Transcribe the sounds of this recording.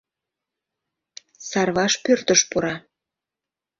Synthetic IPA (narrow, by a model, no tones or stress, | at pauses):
sɑrβɑʃpørt̪əʃpuɾɑ